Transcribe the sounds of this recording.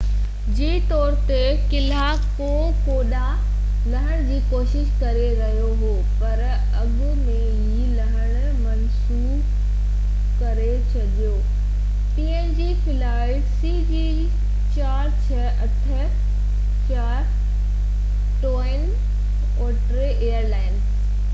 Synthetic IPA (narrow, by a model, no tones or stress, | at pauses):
d͡ʑiːt̪ɔːɾt̪e | kɪla | ko | koːɗa | lɐɦəɽ̃d͡ʑiːkoːʃɪʃkɐɾeɾɐɦjoɦoːpɐɾ | ɐɠɡʊmẽɦilɐɦəɽ̃ | mɐns | uːb | kɐɾet͡ɕʰɐʄjoː | ʈiːẽnd͡ʑiːpʰɪlaːɪʈsiːd͡ʑi | t͡ɕaːɾt͡ɕʰɐʔɐʈʰə̆ | t͡ɕaːɾ | ʈoːɪn | oːʈɾeʔeːəɾlaːɪn